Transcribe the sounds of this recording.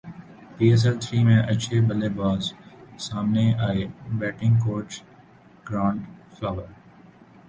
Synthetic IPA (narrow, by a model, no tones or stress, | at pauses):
piːɛs̬ɛlt̪ʰɾiːmẽʔɐːʃʰebɐlebaːzsaːmneaːebɛːʈɪ̃ŋɡkoːʈt͡ʃ | ɡ̥ɾãːɳʈflaːʋəɾ